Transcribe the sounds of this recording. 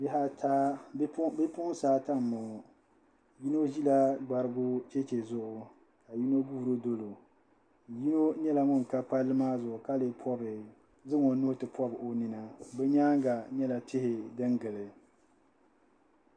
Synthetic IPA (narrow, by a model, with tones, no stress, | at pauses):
bɪ˦ha˦tʰa˦ | bɨ˦pʊ˦ʔʊ˦n˦saː˦ta˦m˨mːɔ˨ | ji˦no˦ʒi˦la˦ɡ͡ba˨ɾɨ˦bʊ˦t͡ʃɛ˦t͡ʃe˨zʊ˦ʔʊ˨ | ka˨ji˦no˦ɡu˦hɾo˦do˦lo˨ | ji˦no˦ɲɛ˦la˨ŋɔ˦ŋ˨ka˦pa˦lːɨ˦maː˦zʊ˨ʔʊ˨ka˦lɨ˨pʰɔ˦bɨ˨ | zɨ˦ŋɔ˨nʊ˦hʊ˦tɨ˨pɔ˦bɨ˨ʔo˦nɨ˨na˨bɛ˦ɲaː˦ŋɡa˨ɲɛ˦la˨tɪ˦hɪ˨dɨ˦ŋɡɨ˨lɨ˨